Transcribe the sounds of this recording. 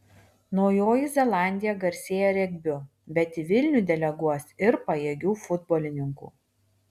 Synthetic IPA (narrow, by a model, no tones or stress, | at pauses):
nɔʊjoːjizʲɛlˠɑˑnʲd̪ʲɪjɛɡɐɾʲsʲeːjɛɾʲɛɡʲbʲʊ | bʲɛt̪ʲiʋʲɪlʲnʲuːd̪ʲɛlʲɛɡuɔsʲɪɾpɐjeːɡʲuːfʊd̪bɔːlʲɪnʲɪŋkṵː